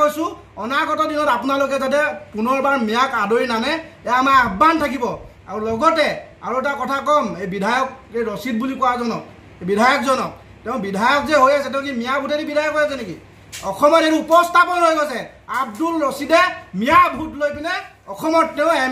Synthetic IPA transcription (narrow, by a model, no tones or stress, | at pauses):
ojsʊ̃ | ɔnaɡɔtɔdinɔtapunalok̬ɛzatɛpunɔɹbaɹmijakadojnanɛɛjaːmaɹabːantʰak̬ibɔ | a̰ɹulɔɡɔtɛ | a̰ɹuɛtakɔtʰakɔmejbidʱajɔkejɹosit̚bulikɔwazɔnɔ̰k | ebidʱajɔkzɔnɔk | tɛʊ̃bidʱajɔk̚zɛɦojasɛt̬ɛʊ̃k̬imijabʱutɛɾibidʱajɔkɦojas̬ɛnekḭ | ɔxʰɔmɔteɾiupɔstʰapɔnɦojkojsɛ | ab̚dulɹositɛmijabʱutlojpinɛ | ɔkʰɔmɔtːɛʊ̃ɛ